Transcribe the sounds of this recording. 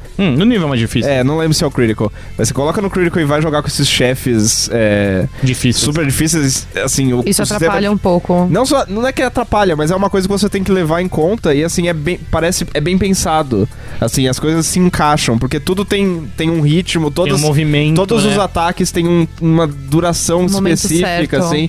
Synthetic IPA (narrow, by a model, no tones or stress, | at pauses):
nʊnivewɛmazd͡ʒifisɛnɐ̃w̃lẽmbɾʊsɪɛʊkɾiɾikɐw | mɐsekolɔkɐnʊkɾiɾikɐwɪvajʒoɡaɾkõesɪsʃɛfɪsɛd͡ʒifissup̬eɾd͡ʒifisejsasĩʊissʊatsiɾat̪ẽmɐaʎɐũpowkʊnɐ̃w̃sɔnɐ̃w̃ɛkɪat̪ɾapaʎɐmɐzɛũmɐkojzɐkɪvos̬et̪ẽj̃kɪlevaɾẽj̃kõnt̪ɐɪasĩɛbẽj̃paɾɛsɪɛbẽj̃pẽsad̪ʊ | asĩɐskojzɐsːɪĩŋkaʃɐ̃w̃poɾket̪ud̪ʊt̪ẽj̃t̪ẽj̃ũhit͡ʃimʊt̪od̪̃ɐ̃movimẽt̪od̪ʊzʊzat̪akɪst̪ẽj̃ũũmɐd̪uɾasɐ̃w̃ispesifɛfɾitkɐsĩ